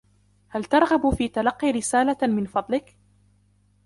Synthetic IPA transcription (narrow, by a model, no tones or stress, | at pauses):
halt̪ɑɾˤɣɑbfiːt̪alɑqːiːɾɪsaːlamɪnfɑd̪ˤlɪk